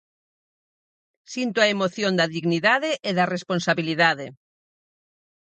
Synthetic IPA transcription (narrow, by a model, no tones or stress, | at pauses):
sint̪oaemoθjõnd̪ɐðiɣniðaðeʔeðɐresponsaβiliðaðe